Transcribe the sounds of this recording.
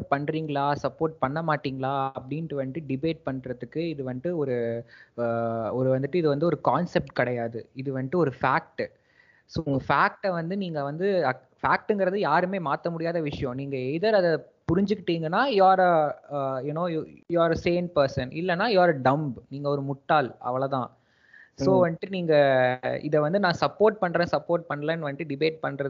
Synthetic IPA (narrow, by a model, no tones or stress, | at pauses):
ʈ̚pɐɳːɾiːŋɡɐɭaːsɐpːoːɾʈ̚pɐɳːɐmaːʈːiːŋɡɐɭaːɐpːɐɽɪnʈːɯʋɐnʈːɯɖɪbeːʈ̚pɐɳːɾɐðɯkːɯɪðɯʋɐnd̪ɯɔɾɯ | ɔɾɯʋɐnd̪ɯʈːɯɪðɯʋɐnd̪ɯɔɾɯkaːnsɛp̚ʈkɐɽɐjaːðɯ̰ɪðɯʋɐnʈ̪ːɯɔɾɯfaːk̚ʈ | soːŋɡɐfaːk̚ʈɛʋɐnd̪ɯniːŋɡɐʋɐnd̪ɯɐ | faːk̚ʈɯŋɡɪɾɐðɯjaːɾɯmeːmaːt̪ɐmʊɽɪjaːðɐʋɪʂɐjɔ̃niːŋɡɐɛɪðɐɾɐðɐ | pʊɾɪɲd͡ʒɯkːɪʈːiːŋɡɐnːaːjaːɾɐ | jʊnoːjaːɾɐseːnpɐɾsɐnʔɪ̰lːɐnːaːjaːɾɐɖɐmbniːŋɡɐɔɾɯmʊʈːaːlʔɐ̰ʋɐɭɐt̪ã̰ː | soːʋɐnɪʈːɯniːŋɡɐɪ̰ðɛʋɐnd̪ɯnãːsɐpːoːɾʈ̚pɐɳːɾẽːsɐpːoːɾʈ̚pɐɳːɐlɐ̃ːnʋɐnɪʈːɯɖɪbeːʈ̚pɐɳːɾɐð